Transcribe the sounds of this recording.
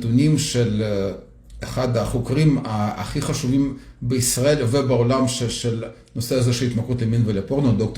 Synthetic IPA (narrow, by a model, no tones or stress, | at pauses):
t̪unimʃel | eχad̪aχokʁima̰ːχiχaʃuvimbeisʁaelvebeolamʃeʃel | noseazeʃelit̪makʁut̪leminvelepoʁnod̪ok̚t̪